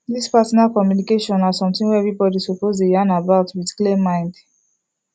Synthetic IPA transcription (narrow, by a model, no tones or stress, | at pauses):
ðispasɔnalkɔmjunikeʃɔ̃nasɔ̃mtĩŋwɛɛvɹibɔdisɔpozdejãnabaʊtwidklemːãɪ̃nd